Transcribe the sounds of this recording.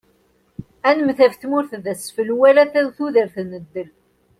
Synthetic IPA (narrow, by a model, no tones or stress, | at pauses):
ænəmθævθmʊɾθðæsfəlwælæθæwθuðəɾθnəd̪ːəl